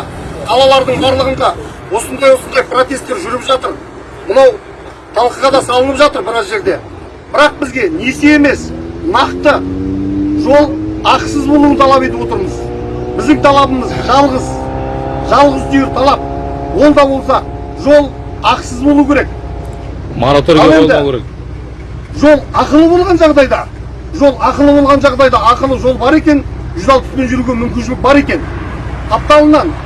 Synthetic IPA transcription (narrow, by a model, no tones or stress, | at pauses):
qʰɑlˠɑlˠɑɾd̪əɴbɑɾlˠəʁənd̪ɑ | wo̞sənd̪ɑjwo̞sənd̪ɑjpro̞t̪e̞st̪ːe̞ɾʒʏɾɪpʒɑt̪əɾ | mənɑw | t̪ʰɑlˠqəʁɑd̪ɑsɑlˠənəpʒɑt̪əɾbɪɾɑsʒe̞ɾd̪e̞ | bɪɾɑq̚bɪzɡʲe̞ne̞see̞me̞snɑqt̪ə | ʒo̞lˠɑqsəzbo̞lˠuənt̪ʰɑlˠɑpe̞t̪ɪbwot̪əɾməz | bɪzd̪ɪŋt̪ʰɑlˠɑbəməzʒɑlˠʁəz | ʒɑlˠʁəzd̪ejɪɾt̪ʰɑlˠɑp̚ | wo̞lˠd̪ɑbwo̞lˠs̬ɑ | ʒo̞lˠ | ɑqsəzbolˠukʲʰe̞ɾe̞k̚ | moɾt̪oɾɑlˠed̪ɪek | ʒo̞lˠɑqəlˠəbo̞lˠʁɑnʒɑʁd̪ɑjd̪ɑ | ʒo̞lˠɑqəlˠəbo̞lˠʁɑnʒɑʁd̪ɑjd̪ɑɑqəlˠəʒo̞lˠbɑɾe̞kʲe̞nʒʏzɑlˠp̪spe̞nʒʏɾuɡʲe̞mʏmkʲɪnʃɪlɪk̚bɑɾe̞kʲe̞nʰ | ɑp̚t̪ɑlˠənɑn